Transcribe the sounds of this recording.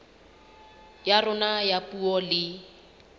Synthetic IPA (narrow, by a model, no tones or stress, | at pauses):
jarʊnajapuɔlɪ